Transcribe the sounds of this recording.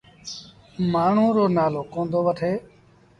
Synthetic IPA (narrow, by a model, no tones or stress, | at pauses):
maːɳ̤ũːɾoːnaːloːkõːnd̪oːʋəʈʰeː